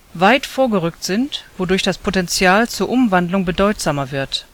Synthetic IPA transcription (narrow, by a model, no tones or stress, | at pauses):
vaɪtfoːɐɡəʁʏk̚tz̥ɪntv̥odʊɐçd̥aspʰotɛnt͡sjaːlt͡suːɐʔʊmvandlʊŋbədɔʏtz̥aːmɐvɪɐt